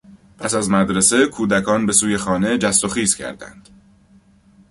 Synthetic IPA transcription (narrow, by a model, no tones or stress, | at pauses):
pʰæsæzmæd̪ɾese̞kʰuːd̪ækʰɒːnbe̞suːje̞xɒːne̞d͡ʒæst̪oxiːzcʰæ̰ɾd̪æ̰nd̪̥